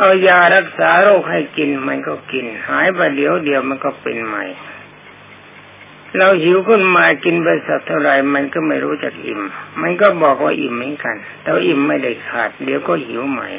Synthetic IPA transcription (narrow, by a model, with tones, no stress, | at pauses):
ʔa˧wjaː˧˩ɾa˦˥˩k̚saː˨˩˦ɾoː˥˩k̚ha˥˩jki˧nma˧nkɔː˧˥˩ki˧nhaː˨˦jba˧˩di˨˩˦əwdi˨˧əwma˧nkɔː˧˩pḛ˧nma̰˨˩j | ɾa˧whi˨˦wkʰɯ˥˩nmaː˧jki˧nbɤː˧sa˨˧˩t̪ʰːa˧˥˩wɾa˨˧jma˧nkɔː˧˥˩ma˥˩jɾuː˦˥t͡ɕa̰˨˩k̚ʔḭ˨˩mma˧nkɔː˧˥˩bɔː˨˩k̚waː˧˩ʔḭ˨˩mːɯ˨˦˥nka˧nt̪ɛː˧a˧ʔi˨˩mːa˥˩jda˥˩jkʰaː˨˩t̪̚di˨˦əwkɔː˥˩hi˨˩˦wma̰˨˧˩j